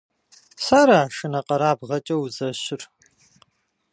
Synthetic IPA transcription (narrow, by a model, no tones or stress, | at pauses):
saɾaːʃɨnɐqɐɾaːbʁɐt͡ʃʼɐwuzɐɕɪr